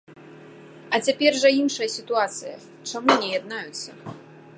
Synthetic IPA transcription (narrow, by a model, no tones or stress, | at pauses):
ɐt͡sʲapʲɛrʐɐinʂɨjɐsʲit̪uat̪sɨjɐ̰ | t͡ʂamunʲɛjad̪̚najut̪sːɐ̰